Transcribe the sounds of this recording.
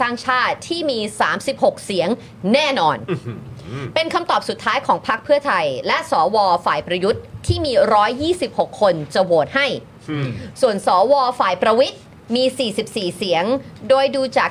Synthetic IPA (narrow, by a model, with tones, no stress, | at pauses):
saː˥˩ŋt͡ɕʰaː˥˩t̪ʰːiː˥˩miː˧saː˩˦msi˨˩p̚ho˨˩k̚si˩˦əŋ | nɛː˥˩nɔː˧n | pe˧nkʰa˧mt̪ɔː˨˩p̚su˨˩t̪ʰːaː˦˥jkʰɔː˩˦ŋpʰa˦˥k̚pʰɯ˥˩ɐt̪ʰa˧jlɛ˦˥ʔsɔː˩˦wɔː˧faː˨˩jpɾa˧ju˦˥t̪̚ʰːiː˥˩miː˧ɾɔː˦˥jːiː˥˩si˨˩p̚ho˨˩kʰːo˧nt͡ɕa˨˩woː˨˩t̪̚ha˥˩j | su˨˩ənsɔː˩˦wɔː˧faː˨˩jpɾa˧wi˦˥t̪̚ | miː˧siː˨˩si˨˩p̚siː˨˩si˨˩˦əŋdoː˧jduː˧t͡ɕaː˨˩